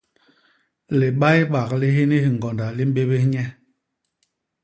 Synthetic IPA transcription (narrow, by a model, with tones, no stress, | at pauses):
li˨ɓa˦jɓa˨kli˦ɦi˦ni˦hi˨ŋ˨ɡɔ˨nda˨li˦m˦be˦ɓe˦ɲɛ˦